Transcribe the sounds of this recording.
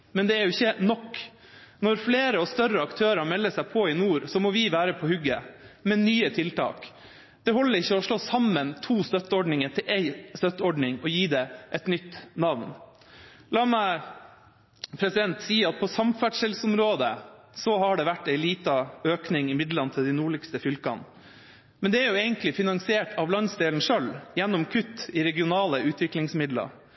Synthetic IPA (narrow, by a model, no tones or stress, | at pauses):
mɛnd̪ɛæɾjʊɪçːənɔkː | nɔɾfleːɾəɑst̪œɾːəɑkt̪ʰøːɾɑmɛlːəsæɪpʰɔɪnuːɾsɔmɔʋɪʋæːɾəpʰɔhʉɡəmɛnyːət̪ʰɪlt̪ʰɑ̰ːk | d̪̥ɛɦɔlːəɾɪçːəɔʂɭoːsɑmːənt̪ʰuːst̪œt̪ːəɔɖɳɪŋət̪ʰɪlʔeɪst̪œt̪ːəɔɖɳɪŋɔjiːd̪ɛʔɛt̪nʏt̪ːnɑʋn | lɑːmæɪ | pʰɾɛsɪd̪ɛnt̪siːɑt̪̚pʰɔsɑmfæʈʂəlsɔmɾoːd̪ə | sɔɦɑɖɛʋæʈːæɪliːt̪ɑøːknɪŋɪmɪd̪lɑnət̪ʰɪld̪ɪnuːɭɪkst̪əfʏlkɑ̰n | mɛnd̪ɛæɾjʊeːɡənt̪lɪfɪnɑŋsɪeːʈɑʋlɑnsd̪eːln̩ʂœljɛnːɔmkʰʉt̪ːɪɾɛɡɪʊnɑːləʔʉːt̪ʰʋɪklɪŋsmɪd̪lɑ̰